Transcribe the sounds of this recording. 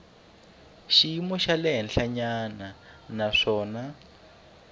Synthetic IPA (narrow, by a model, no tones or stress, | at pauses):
ʃiimɔʃalɛɦɛnɬaɲana | naʂɔːna